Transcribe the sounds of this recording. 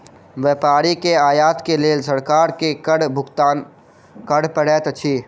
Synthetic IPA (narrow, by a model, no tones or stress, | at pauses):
ʋeːpaːɾikeaːjaːt̪keleːsəɾkaːɾkekəɽbʱʊɡt̪aːn | kəɽpəɽɛːt̪t͡ʃʰiː